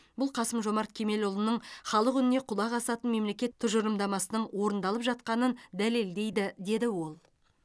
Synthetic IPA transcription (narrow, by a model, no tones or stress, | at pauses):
bʊlˠqʰɑsəmʒo̞mɑɾt̪̚kʲʰeme̞lʊlˠənəɴχɑlˠəqʏnɪne̞qʰʊlˠɑʁɑsɑt̪ənme̞mle̞kʲe̞t̪ʰːʊʒəɾəmd̪ɑmɑsənəɴwo̞ɾənd̪ɑlˠəpʒɑt̪̚qɑnənd̪æle̞ld̪e̞jd̪ɪd̪e̞d̪ɪwo̞lˠ